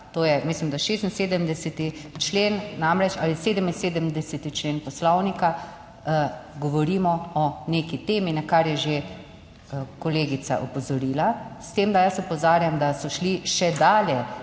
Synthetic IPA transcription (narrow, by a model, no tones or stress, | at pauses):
t̪oːjɛmislimd̪aʃest̪inseːd̪əmd̪ɛsɛt̪it͡ʃleːnːamɾɛt͡ʃa̰liseːd̪əminseːd̪əmd̪ɛsɛt̪it͡ʃleːnpɔslɔwnika | ɡɔʋɔɾiːmɔɔneːkit̪eːminakaɾjɛʒe | kɔleːɡisa̰ʔɔpɔzɔɾiːlast̪emd̪ajəsɔpɔzaːɾjamd̪asɔʃliʃɛd̪aːljɛ